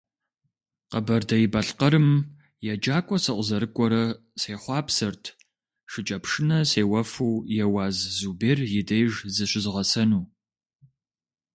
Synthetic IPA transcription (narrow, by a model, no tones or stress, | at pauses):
qɐbɐrdɐjɪbɐɬqɐɾɨm | jɛd͡ʒaːkʷʼɔsɨqʷʼəzɐɾɨkʷʼɔɾɐ | seːχʷɑːpsɨrtʰ | ʂɪt͡ʃʼɐpʂɨnɐseːwɐfuːjɛwaːzzuːbeːrjɪdejʒzɨɕʷɪzʁɐsɐnuː